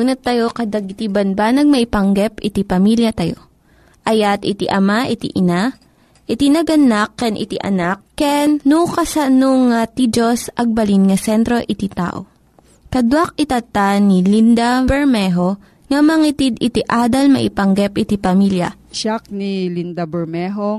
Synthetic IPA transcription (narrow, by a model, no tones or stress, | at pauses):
unɐt̪ːɐjo̞kɐd̪ɐɡɪt̪ibɐnbanɐɡ̚mɐʔɪpɐŋɡɛpɪt̪ipɐmiljɐt̪ɐjo̞̰ | ʔɐjat̪ʔɪt̪ḭʔɐmaʔɪt̪ḭʔɪna | ʔɪt̪inɐɡɐnakːɛnʔɪ̰t̪iʔɐ̰nak̚ːɛnːukɐsɐnoŋat̪id͡ʒosʔɐɡ̚bɐlinŋɐsɛnt̪ɾo̞ʔɪt̪it̪a̰ːʔo̰ | kɐd̪wak̚ɪt̪ɐt̪anilind̪ɐbɛɹmɛɦo̞ | ŋɐmɐŋit̪id̪ɪt̪iʔaːd̪ɐlmɐ̰ʔɪpɐŋɡɛpʔɪt̪ipɐmiljɐ̰ | ʃak̚nilind̪ɐbɛɹmɛɦo